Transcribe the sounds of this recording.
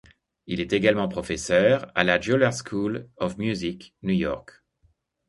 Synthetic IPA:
ilɛt̪eɡalmɑ̃pχɔfɛsœʁa̰lad͡ʒolaʁskʰulɔfmjuziknujɔ̰ʁk

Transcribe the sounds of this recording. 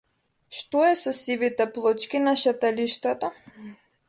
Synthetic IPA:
ʃt̪ɔɛsɔsivit̪ɛplˠɔt͡ʃkʲinaʃat̪ɛliʃt̪at̪a

